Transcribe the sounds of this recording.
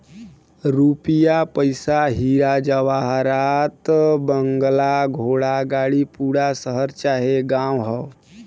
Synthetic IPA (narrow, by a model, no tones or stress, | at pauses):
ɾupjapəjsaɦiɾad͡ʒəʋaɦɾat̪bəŋɡlaɡʱoːɽaɡaːɽipuːɽasəɦəɾt͡ʃaːɦeɡãwɦə